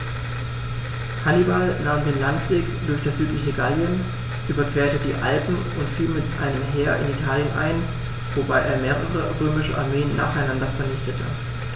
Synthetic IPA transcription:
hanibalnaːmdeːnlantv̥eːkd̥ʊɐçd̥asz̥yːtlɪçəɡaljən | ʔyːbɐkv̥ɛːɐtədiːʔalpm̩ | ʊntfiːlmɪtʔa̰ɪnəmɦeːɐʔɪ̰nitʰaːljənʔa̰ɪn | vobaɪʔeːɐmeːʁ̞əʁəʁøːmɪʃəʔa̰ɐmeːənːa̰ːχaɪnandɐfɛɐnɪçtətʰə̰

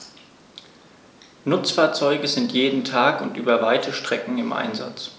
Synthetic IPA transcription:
nʊt͡sfaːɐt͡sɔʏɡəzɪntʰjeːdn̩tʰaːkʊntʔyːbɐvaɪtʰəʃtʁ̥ɛkŋ̩ɪmʔa̰ɪnza̰t͡s

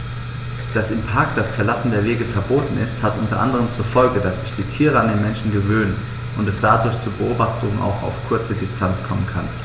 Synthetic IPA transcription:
d̥asɪmpʰaːk̚td̥asfɛɐlasn̩deːɐveːɡəfɛɐboːtn̩ɪsthatʔʊntɐʔa̰ndəʁ̞əmt͡suːɐfɔlɡədasz̥ɪçd̥iːtʰiːʁ̞əandeːnmɛnʃn̩ɡəvøːnən | ʔʊntɛsd̥adʊɐçt͡suːɐbəʔoːbaχtʰʊŋa̰ʊxa̰ʊfkʰʊɐt͡sədɪstʰant͡skʰɔmənkʰan

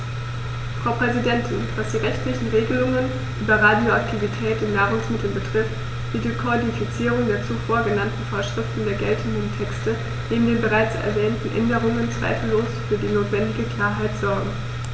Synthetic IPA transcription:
fʁ̥aʊpʁ̥ɛzidɛntʰɪnv̥asd̥iːʁɛçtlɪçn̩ʁeːɡəlʊŋən | ʔyːbɐʁaːdjoaktʰivitʰɛːtɪmnaːʁ̞ʊŋsmɪtʰl̩bətʁ̥ɪft | d̥iːdiːkʰodifit͡siːʁʊŋdeːɐt͡sufoːɐɡənantn̩foːɐʃʁ̥ɪftn̩deːɐɡɛltʰəndəntʰɛkstə | neːbm̩deːnbəʁaɪt͡sɛ̰ɐvɛːntn̩ʔɛ̰ndəʁ̞ʊŋənt͡sv̥a̰ɪfl̩loːsfyːɐdiːnoːtv̥ɛndɪɡəkl̥aːɐɦaɪtz̥ɔɐɡŋ̩

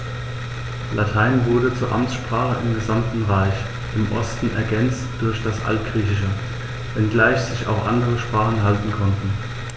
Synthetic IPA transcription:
lʔatʰaɪnvʊɐdət͡suːɐʔamt͡sʃpʁ̥aːχəʔɪmɡəzamtn̩ʁaɪç | ʔɪmʔɔ̰stn̩ɛ̰ɐɡɛnt͡std̥ʊɐçd̥asʔa̰ltɡ̥ʁiːçɪʃə | vɛnɡlaɪçz̥ɪça̰ʊxʔa̰ndəʁəʃpʁ̥aːχn̩ɦaltn̩kʰɔntn̩

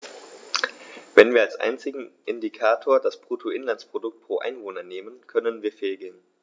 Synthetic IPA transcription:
vɛnviːɐalsʔa̰ɪnt͡sɪɡŋ̩ʔɪndikʰaːtʰoːɐdaspʁ̥uːtʰoʔɪnlant͡spʁ̥odʊk̚t̚pʁ̥oːʔa̰ɪnvoːnɐneːmənkʰœnənviːɐfeːlɡeːn

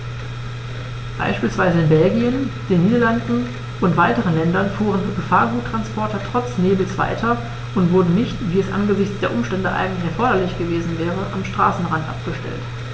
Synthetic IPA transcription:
b̥a̰ɪʃpiːlsv̥aɪzəɪnbɛlɡiənd̥eːnːiːdɐlandn̩ | ʔʊntv̥aɪtəʁ̞ənlɛndɐnfuːʁ̞ənɡəfaːɐɡuːtːʁ̥anspʰɔɐtɐtʁ̥ɔt͡sneːbl̩t͡sv̥a̰ɪtʰɐ | ʔʊntv̥ʊɐdn̩nɪçtv̥iːɛsʔa̰nɡəzɪçt͡sd̥eːɐʔʊmʃtɛndəʔa̰ɪɡŋ̩tlɪçɛɐfɔɐɾɐlɪçɡ̥əveːzn̩vɛːʁ̞əʔamʃtʁ̥a̰ːsn̩ʁantʔa̰p̚ɡ̥əʃtɛ̰lt

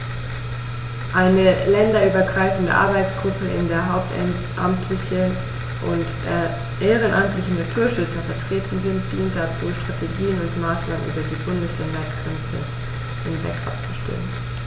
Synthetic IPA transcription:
ʔaɪnəlɛndɐʔyːbɐɡʁaɪfn̩də̰ʔa̰ɐbaɪt͡sɡ̥ʁʊpʰəɪ̰ndeːɐɦaʊp̚t | ʔamtʰlɪçə | ʔʊ̰ntd̥eːɐ | ʔeːʁ̞ənʔamtlɪçn̩natʰuːɐʃʏt͡sɐfɛɐtʁ̥eːtn̩zɪnt̚d̥iːnt̚d̥at͡suːʃtʁ̥atʰeɡiːənʊntmaːsnaːmə̰nʔy̰ːbɐdiːbʊndəslɛndɐɡʁɛnt͡sə̰ | hɪnvɛ̰kʔa̰p̚t͡su̥ʃtɛ̰ːən

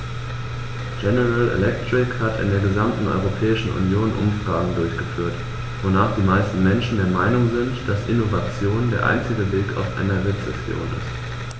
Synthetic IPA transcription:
ɡ̥ɛnəʁalḛlɛktʁ̥ɪkhatɪ̰ndeːɐɡəzamtn̩ɔ̰ʏʁopʰɛːɪʃn̩ʔṵnjoːnʔʊ̰mfʁ̥aːɡŋ̩dʊɐçɡ̥əfyːɐt | vonaːχd̥iːmaɪstn̩mɛnʃn̩deːɐmaɪnʊŋzɪntd̥asʔɪnovat͡sjoːndeːɐʔa̰ɪnt͡sɪɡəveːkʰa̰ʊfʔɛ̰nɛɐvɛsɛsjo̰ːnɪ̰st

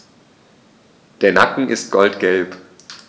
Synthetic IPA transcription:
d̥eːɐnakŋ̩ʔɪst̚ɡ̥ɔltɡ̥ɛlp

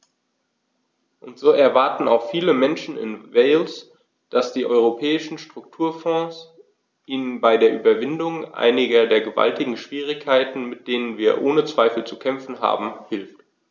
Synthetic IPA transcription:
ʔʊntz̥oːʔɛɐvaɐtn̩a̰ʊxfiːləmɛnʃn̩ɪ̰nveɪls | d̥asd̥iːʔɔʏʁ̞opʰɛːɪʃn̩ʃtʁ̥ʊk̚tʰuːɐfɔ̃ːs | ʔiːnənbaɪdeːɐʔyːbɐvɪndʊŋʔa̰ɪnɪɡɐdeːɐɡəva̰ltɪɡŋ̩ʃv̥iːʁ̞ɪkʰːaɪtn̩mɪt̚d̥eːnənviːɐʔoːnət͡sv̥aɪfl̩t͡sukʰɛmfn̩ɦa̰ːbm̩hɪlft

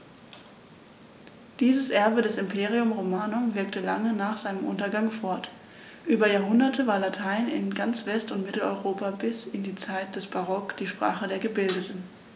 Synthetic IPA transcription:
d̥iːzəsʔɛɐbədɛsɪmpʰeːʁiʊmʁomaːnomvɪɐktəla̰ŋənaːχz̥aɪnəmʔʊntɐɡaŋfɔɐt | ʔyːbɐjaːɐɦʊndɐtəvaːɐlatʰaɪnɪ̰nɡant͡sv̥ɛstʊntmɪtl̩ɔ̰ʏʁoːpabɪsɪndiːt͡saɪt̚d̥ɛsb̥aʁɔkd̥iːʃpʁ̥a̰ːχədeːɐɡəbɪldətn̩

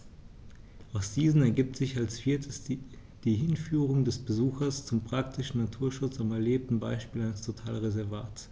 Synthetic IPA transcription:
ʔaʊsd̥iːzn̩ɛɐɡiːp̚tz̥ɪçalsfiːɐtʰəs | d̥iːɦɪnfyːʁ̞ʊŋdɛsb̥əzuːxɐst͡sʊmpʁ̥aktʰɪʃn̩natʰuːɐʃʊt͡samɛɐleːp̚tn̩baɪʃpiːlaɪnəstʰotʰaːlʁezɛɐvaːts

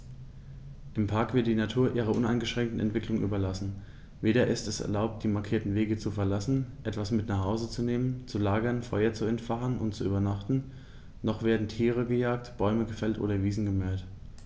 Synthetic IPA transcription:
ʔɪmpʰaɐkv̥ɪɐt̚d̥iːnatʰuːɐʔiːʁ̞ɐʔʊnaɪnɡəʃʁ̥ɛŋk̚tn̩ɛ̰ntv̥ɪklʊŋʔy̰ːbɐlasn̩ | veːɾɐʔɪstɛsɛ̰ɐlaʊp̚t̚d̥iːmaɐkʰiːɐtn̩veːɡət͡sufɛɐlasn̩ʔɛtv̥asmɪtnaχhaʊzət͡suneːmənt͡sulaːɡɐnfɔʏɐt͡suɛntfaχənʔʊntt͡suʔyːbɐnaχtn̩ | nɔχv̥eːɐdn̩tʰiːʁəɡəjaːk̚tb̥ɔʏməɡəfɛltʔo̰ːɾɐviːzn̩ɡəmœɐt

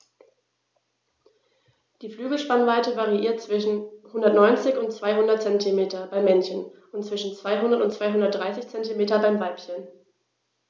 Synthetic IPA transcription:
d̥iːflyːɡl̩ʃpanvaɪtəvaʁiʔiːɐtt͡sv̥ɪʃn̩hʊndɐtnɔʏnt͡sɪçʊntt͡sv̥aɪɦʊndɐtt͡sɛntʰimeːtɐbaɪmːɛnçən | ʊntt͡sv̥ɪʃn̩t͡sv̥aɪɦʊndɐtʊntt͡sv̥aɪɦʊndɐt̚d̥ʁaɪsɪçt͡sɛntimeːtɐbaɪmvaɪpçən

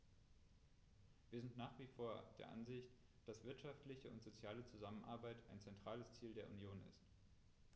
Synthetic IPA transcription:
v̥iːɐzɪntnaːχv̥iːfoːɐd̥eːɐʔa̰nzɪçt | d̥asv̥ɪɐtʃaftlɪçəʊ̰ntz̥ot͡sjaːlət͡suzamənʔa̰ɐbaɪtaɪnt͡sɛntʁ̥aːləst͡siːldeːɐʔunjoːnɪ̰st

